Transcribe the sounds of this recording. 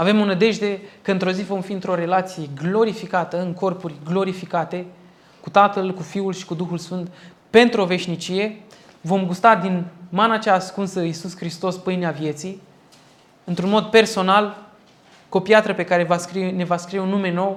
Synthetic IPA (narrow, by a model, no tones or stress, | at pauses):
ave̞monəd̪e̞ʒd̪e̞kəɨnt̪ɾo̞zivo̞mfiɨnt̪ɾo̞ɾe̞lat̪sije̞ɡlo̞ɾifikat̪əɨŋko̞rpurʲɡlo̞ɾifikat̪e̞ | kut̪at̪əlkufiulʃi̥kud̪uxulsfɨnt̪ | pe̞nt̪ɾuo̞ve̞ʃnit͡ʃije̞vo̞mɡust̪ad̪inmanat͡ʃaːskunsəisuskɾist̪o̞spɨjneavje̞t̪si | ɨnt̪ɾunmo̞d̪pe̞rso̞nal | ko̞piat̪ɾəpe̞kaɾe̞vaskɾine̞vaskɾijeunːume̞no̞w